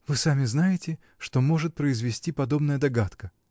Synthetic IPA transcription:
vɨsamʲɪznajɪtʲɪ | ʂt̪o̞mo̞ʐɨt̪̚pɾəɪzvʲɪsʲtʲipɐd̪o̞bnəjəd̪ɐɡat̪kə

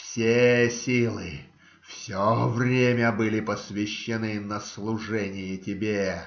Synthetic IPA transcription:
fsʲesʲilˠɨ̰ | fsʲovrʲemʲəbɨlʲɪpəsvʲɪɕːɪnɨnəslˠʊʐɛnʲɪjɪtʲɪbʲe

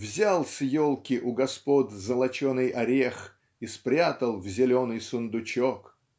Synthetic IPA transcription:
vzʲalˠsjolˠkʲɪʔʊɡɐspot̪zəlˠɐt͡ɕonɨjʔɐɾʲex | ispɾʲat̪əlˠvzʲɪlʲo̞nɨjsʊnd̪ʊt͡ɕok

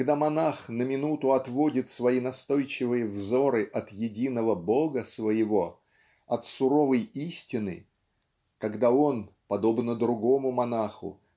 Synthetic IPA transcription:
kɡd̪amɐnaxnəmʲɪnut̪ʊɐt̪vo̞dʲɪt̪svɐinɐst̪o̞jt͡ɕɪvɨjəvzo̞ɾɨʔɐt̪jɪdʲinəvəbo̞ɡəsvəjɪvo̞ | ɐt̪sʊɾo̞vəjisʲtʲɪnɨ̰ | kɐɡd̪ao̞npɐd̪o̞bnəd̪ɾʊɡo̞mʊmɐnaxʊ̰

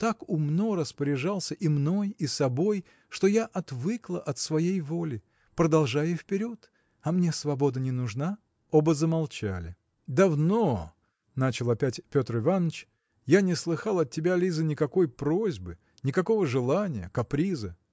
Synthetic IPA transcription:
t̪akʊmno̞ɾəspəɾʲɪʐɑlˠsʲəʔimno̞jisɐbo̞j | ʂt̪o̞jaʔɐt̪vɨklˠəʔɐt̪svɐjejvolʲɪ | pɾəd̪ɐlˠʐajʊfpʲɪɾʲo̞t̪ | ɐmnʲesvɐbo̞d̪ənʲɪnʊʐna | obəzəmɐlˠt͡ɕa̰lʲɪ | d̪ɐvno | nat͡ɕɪlˠɐpʲætʲpʲo̞t̪rɨvanːət͡ɕ | janʲɪslˠɨxɑlˠɐt̚tʲːɪbʲalʲizənʲɪkɐko̞jpɾo̞zʲbɨ | nʲɪkɐko̞vəʐɨlˠanʲɪjə̰kɐpɾʲizə

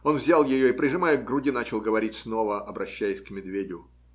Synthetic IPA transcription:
o̞nvzʲalˠjɪjoipɾʲɪʐɨmajəɡɡɾʊdʲinat͡ɕɪlˠɡəvɐɾʲitʲsno̞vəɐbɾɐɕːæjɪsʲkmʲɪd̪vʲedʲʊ

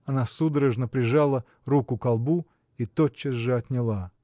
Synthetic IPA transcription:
ɐnasud̪əɾəʐnəpɾʲɪʐalˠə | rukʊkalˠbu | it̪ot͡ɕːəsʐɨɐt̪ʲnʲɪlˠa

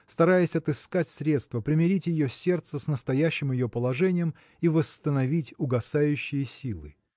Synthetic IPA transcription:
st̪ɐɾajɪsʲɐt̪ɨskatʲsɾʲe̞t̪st̪vəpɾʲɪmʲɪɾʲitʲjɪjosʲe̞rt̪səsnəst̪ɐjæɕːɪmjɪjo̞pəlˠɐʐɛnʲɪjəm | ivəst̪ənɐvʲitʲʊɡɐsajʉɕːɪjəsʲilˠɨ

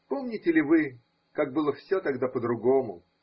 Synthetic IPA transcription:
po̞mnʲɪtʲɪlʲɪvɨ | kaɡ̚bɨlˠəfsʲot̪ɐɡd̪apəd̪ɾʊɡomʊ̰

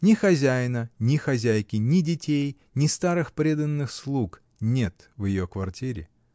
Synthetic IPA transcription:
nʲɪxɐzʲæjnənʲɪxɐzʲæjkʲɪnʲɪdʲɪtʲej | nʲɪst̪aɾɨxpɾʲe̞d̪ənːɨxslˠuk | nʲe̞t̪ | vjɪjokvɐrtʲiɾʲɪ̰

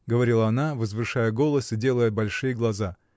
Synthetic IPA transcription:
ɡəvɐɾʲilˠɐɐnavəzvɨʂajəɡo̞lˠəsɪdʲe̞lˠəjəbɐlʲʂɨjəɡlˠɐza

